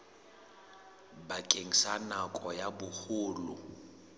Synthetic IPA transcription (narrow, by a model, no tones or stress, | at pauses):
bakʼeŋ̩sanakʼɔjabʊhʊːlʊ